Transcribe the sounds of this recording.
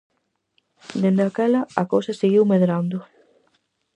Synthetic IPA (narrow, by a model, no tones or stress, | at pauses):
d̪end̪akɛlɐakowsɐseɣiwmeðɾand̪ʊ